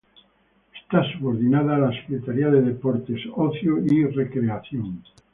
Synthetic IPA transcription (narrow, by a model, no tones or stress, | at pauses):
est̪asuβoɾðinaðaːlase̥kɾet̪aɾiaðeðepoɾt̪e̞soθjoirekɾeaθjoŋ